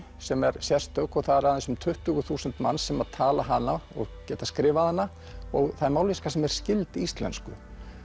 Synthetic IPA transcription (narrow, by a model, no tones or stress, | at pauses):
sɛmɛɾ̥sjɛr̥st̪œkɔɣθaðɛɾaðɛsːʏmt̪ʰʏht̪ʏɣʏθuːsənt̪ma̰nːsɛmaðt̪ʰaːlaɦanːaɔ̰ɣcɛːt̪askɾɪːvaðhanːa | ɔɣθajmaːwliskasɛmɛɾ̥scɪlt̪ɪist̪lɛ̰nskʏ̰